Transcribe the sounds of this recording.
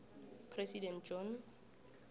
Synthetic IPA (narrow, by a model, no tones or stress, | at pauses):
pʰrɛsidɛ̃ntd͡ʒɔ̃n